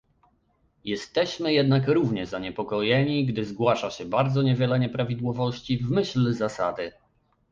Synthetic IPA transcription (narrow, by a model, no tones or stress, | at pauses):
jɛst̪ɛɕmɘjɛd̪nakɾuvɲɛzaɲɛpɔkɔjɛɲiɡd̪ɘzɡwaʂaɕɛbaɾd̪zɔɲɛvʲjɛlɛɲɛpɾavʲid̪wɔvɔɕt͡ɕivmɘɕlzasa̰d̪ɘ